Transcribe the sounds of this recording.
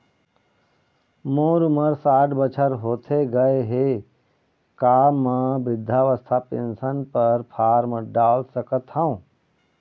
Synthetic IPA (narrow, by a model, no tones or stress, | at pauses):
moːɾʊməɾsaːʈbət͡ʃʰəɾɦoːt̪ʰeɡɐeɦe | kaːmə̃bɪd̪ʱːaːʋəst̪ʰapɪ̰nsənpəɾpʰaːɾməɖaːlsəkət̪ɦãũː